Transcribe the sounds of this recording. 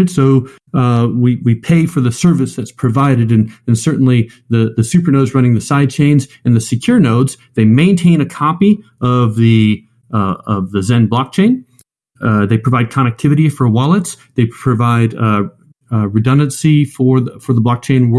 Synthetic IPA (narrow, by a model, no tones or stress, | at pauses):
ɨtsoʊ | wiwipʰeɪfə˞ðɨsɜ˞vɨsðɨtspʰɹ̥ɨvaɪɾɨɾɨ̃nɨ̃nsɜ˞ʔn̩li | ðɨðɨsʉpə˞noʊdzɹʌ̃ñɪ̃ŋðɨsaɪd̚t͡ʃʰẽɪ̃nz | ɨ̃nðɨsɨkʰj̥ʊɹnoʊdz̥ðeɪmẽɪ̃ntʰẽɪ̃ñɨkʰɑpi | ʌvðɨ | ʌvðɨzɛ̃nblɑk̚t͡ʃʰẽɪ̃n | ðeɪpʰɹ̥əvaɪd̚kʰɑñɨk̚tʰɪvɨɾifə˞wɑlˠətsðeɪpʰɹ̥ɨvaɪd | ɹɨdʌ̃ndɨ̃nsifə˞fə˞ðəblɑk̚t͡ʃʰẽɪ̃nw